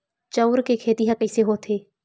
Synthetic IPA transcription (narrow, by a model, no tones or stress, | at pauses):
t͡ʃɐwɾkekʰeːt̪iɦakəiseɦot̪ʰeː